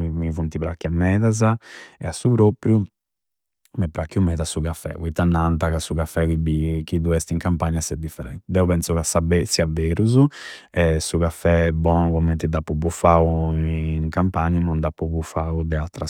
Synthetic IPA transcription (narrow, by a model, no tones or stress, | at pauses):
imivunt̪ipɾakːɛmːɛːðazaɛasːupɾopɾju | mɛpːɾakːjumɛːðasuɣafːɛ̰uit̪ːanːant̪akasuɣafːɛkibikid̪uɛst̪iŋkampaɲːasɛd̪ifːɛɾɛnt̪d̪ɛupɛnsukasabɛsiaveːɾuzu | ɛsuɣafɛbɔːnukɔmːɛnt̪id̪apːubufauiŋkampaɲːanɔnd̪apːuβufaud̪ɛalt̪ɾa